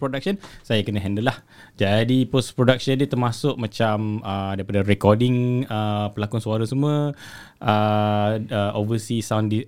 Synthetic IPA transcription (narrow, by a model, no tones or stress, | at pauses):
pɾodak̚ʃənsajakənə̃ɦɛndəlah | d͡ʒadipospɾodak̚ʃəndit̪ərmasʊʔ̚mãt͡ʃamədaɾipadaɾɛkɔdɪŋəpəlakʊnsuaɾasəmuə | ʔə | əʔovəsisawndi